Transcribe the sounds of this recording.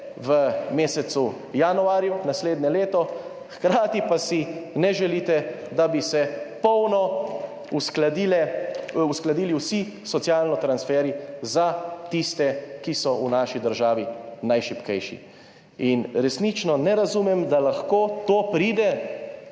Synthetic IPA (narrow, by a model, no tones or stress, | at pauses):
ʋəmeːsɛsu | januaːɾjunasleːd̪ɲɛleːt̪ɔ | xkɾaːt̪ipasinɛʒɛliːt̪ɛd̪abisɛpɔwnɔ | uskld̪ilɛusklad̪iːliwsi | sɔt̪sjaːlnɔt̪ɾansfɛːɾizat̪ist̪ɛkisɔunaːʃid̪əɾʒaːʋinajʃipkɛjʃḭ | inɾɛsnit͡ʃnɔnɛɾazuːmɛmd̪alaxkoːt̪oːpɾiːd̪ɛ